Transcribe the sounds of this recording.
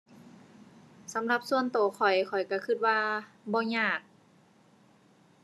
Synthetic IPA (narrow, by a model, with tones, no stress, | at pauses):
sa˨˦mla˧p̚su˧ənt̪oː˨˩kʰɔ˨˩jkʰɔ˨˩jka˧˩kʰɯ˧˩t̪̚waː˧ | bɔː˧ɲaː˧˩k̚